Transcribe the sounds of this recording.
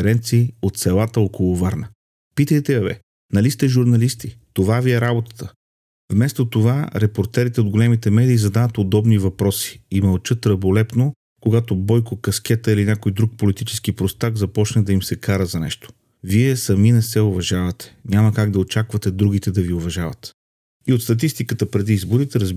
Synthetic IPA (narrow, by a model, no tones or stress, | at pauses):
ɛɾɛnt̪siːot̪sɛlˠat̪əɔkolˠovaɾnə | pit̪əjt̪ɛɐvɛ̰ | nɐlist̪ɛʒuɾnɐlist̪it̪ovaviɛɾabot̪ə̥t̪ə | vmɛst̪ot̪ovaɾɛpoɾt̪ɛɾit̪ɛod̪ɡolɛmit̪ɛmɛd̪iːzɐd̪anət̪od̪ɔbnivɐpɾɔsi̥imɐlˠt͡ʃɤt̪ɾɐbolɛpno | koɡat̪obɔjkokɐsk̟ɛt̪əilinʲakojd̪ɾuk̚polit̪it͡ʃɛ̥sk̟ipɾost̪aɡzɐpɔt͡ʃnəd̪ɐimsɛkʰaɾəzɐnɛ̰ʃt̪o̥ | viɛsɐminɛsɛovɐʒavɐt̪ɛ̥ɲʲamɐkaɡd̪ɐot͡ʃakvɐt̪ɛd̪ɾuɡ̟it̪ɛd̪ɐviovɐʒavɐ̰t̪ | iot̪st̪ɐt̪ist̪ikət̪əpɾɛd̪iizboɾit̪ɛɾɐz